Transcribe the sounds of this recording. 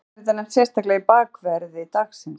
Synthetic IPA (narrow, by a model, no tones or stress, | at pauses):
ɾt̪̬anːɛm̥t̪sjɛst̪aklɛɣipaːkvɛɾðɪt̪aksɪm